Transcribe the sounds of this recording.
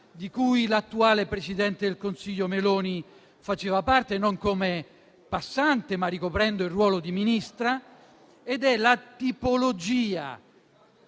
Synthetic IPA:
d̪ikujlat̪ːuaːlepɾesid̪ɛnt̪ed̪elkonsiʎːomelɔːni | fat͡ʃeːvapart̪enoŋkome | pasːant̪emarːikopɾɛnd̪oilrːwɔːlod̪iminist̪ɾa | ed̪ɛlat̪ipolod͡ʒiːa̰

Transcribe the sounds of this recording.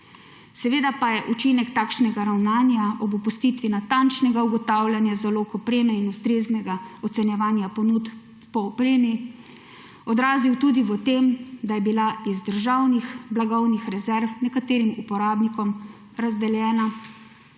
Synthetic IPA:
sɛʋeːd̪apajɛʔut͡ʃinɛkt̪aːkʃnɛɡaɾawnaːnjaʔɔbupust̪iːt̪ʋinat̪ant͡ʃnɛɡauɡɔt̪aːwlʲjanjazaloːkɔpɾeːmɛinust̪ɾeːznɛɡaɔt̪sɛnjɛʋaːnjapɔnut̪ | pɔːpɾeːmji | ɔd̪ɾaːziwt̪uːd̪iʋət̪emd̪ajɛbilaizd̪əɾʒawnixblaɡɔwnixɾɛzɛɾfnɛkat̪eːɾimupɔɾaːbnikɔm | ɾazd̪ɛljɛːna

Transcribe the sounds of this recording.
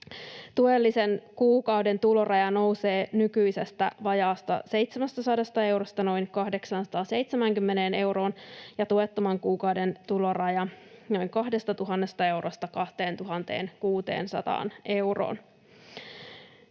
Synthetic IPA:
t̪uelːisenkuːkɑwde̞nt̪ulo̞rʔɑjɑno̞use̞ːnykyise̞st̪æ̰ʋɑjɑːst̪ɑ̰se̞jt̪semæst̪æsɑdɑst̪ɑe̞wɾost̪ɑno̞jnkɑhde̞ksɑnsɑ̥t̪ɑːse̞jt̪semæŋkymːeneːne̞wɾo̞ːnjɑt̪uet̪ːomɑŋkuːkɑwde̞nt̪ulo̞rɑjɑno̞jŋkɑhde̞st̪ɑt̪uɦɑnːe̞st̪ɑe̞wɾost̪ɑkɑht̪e̞ːnt̪uɦɑnt̪e̞̰ːnkuːt̪e̞̰ːnsɑ̰t̪ɑ̰ːnʔe̞wro̰ːn

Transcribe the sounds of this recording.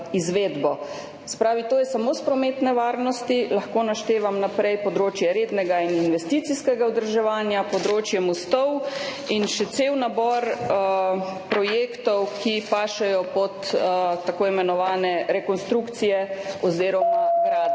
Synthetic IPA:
izʋeːd̪bɔ | sɛ̥pɾaːʋit̪oːjɛsamoːspɾɔmet̪nɛʋaːɾnɔst̪ilaxkoːnaʃt̪eːʋamnapɾɛjpɔd̪ɾoːt͡ʃjɛɾeːd̪nɛɡaininʋɛst̪it̪siskɛɡaud̪əɾʒɛʋaːnjapɔd̪ɾoːt͡ʃjɛmɔst̪ɔwinʃɛt̪sewnabɔɾ | pɾɔjeːkt̪ɔwkʰipaːʃɛjɔpɔt̪t̪ːakoːimɛnɔʋaːnɛɾɛkɔnst̪ɾukt̪sijɛɔziːɾɔmaɡɾaːd̪

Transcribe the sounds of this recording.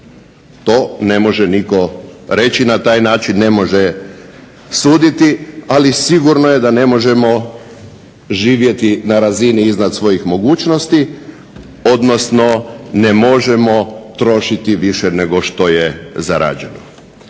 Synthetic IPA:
t̪o̞ːne̞mo̞ʒɛniko̞ɾe̞t͡ɕinat̪aːjnaːt͡ʃinːe̞mo̞ʒe | suːd̪it̪ialisiɡuɾno̞jed̪ane̞mo̞ʒe̞mo̞ | ʒiːʋje̞t̪inaɾaziniiznad̪sʋo̞jixmo̞ɡuːt͡ʃnost̪i | od̪no̞sno̞nemo̞ʒemo̞t̪ɾo̞ʃit̪iʋiʃɛneɡo̞ʃt̪o̞jezaɾa̰ːd͡ʑe̞̰no

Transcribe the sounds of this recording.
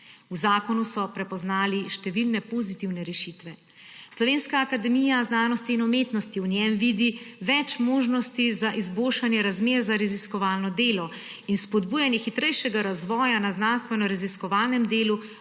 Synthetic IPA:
uzaːkɔnusɔpɾɛpɔznaːliʃt̪ɛʋilnɛpozit̪iwnɛɾɛʃit̪ʋɛ | slɔʋeːnskaːkad̪ɛmijaznaːnɔst̪iːnɔmeːt̪nɔst̪iwnjɛmʋid̪iʋɛt͡ʃmoːʒnɔst̪izaʔizbolʃanjɛɾazmeːɾzaɾaziskɔʋaːlnɔd̪eːlɔ | inspɔd̪buːjanjɛxit̪ɾɛjʃɛɡaɾazʋɔːjanaznanst̪ʋɛnɔɾaziskɔʋaːlnɛmd̪eːlu

